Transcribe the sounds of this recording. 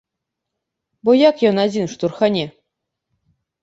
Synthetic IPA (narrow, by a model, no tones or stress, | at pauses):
bojɑkjonad͡zʲinʂt̪urxanʲe